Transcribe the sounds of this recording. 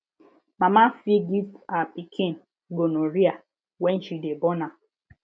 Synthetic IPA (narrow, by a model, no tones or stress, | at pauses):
mamafiɡitapikʰen | ɡonoɾia | wɛn̩ʃidebɔna